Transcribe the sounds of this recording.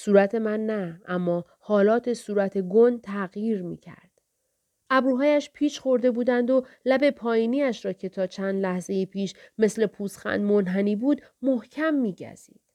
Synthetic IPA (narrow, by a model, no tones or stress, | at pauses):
suːɾæt̪ʰe̞mænːææmːɒː | hɒːlɒːt̪ʰe̞suːɾæt̪ʰe̞ɡont̪ʰæɣjiːɾmḭːcʰæ̰ɾd̪̥ | ʔæbɾuːɦɒːjæʃpʰiːʃxo̞ɾd̪e̞buːd̪ænd̪o̞læbe̞pʰɒːjiːniːæʃɾɒːcʰe̞t̪ʰɒːt͡ʃʰænd̪læhze̞jipʰiːʃme̞sle̞pʰuːsxæ̰nd̪monɦæniːbuːd̪ | mohcʰæmːiːɟæ̰z̥ḭːd̪̥